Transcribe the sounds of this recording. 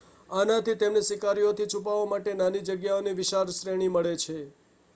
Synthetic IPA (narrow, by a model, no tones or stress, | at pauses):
anat̪it̪emnesikaɾijot̪ʰit͡ʃʰup̬aʋamaʈenanid͡ʒəɡjaoniʋɪʃaɾʃɾeɽ̃iməɭet͡ʃʰe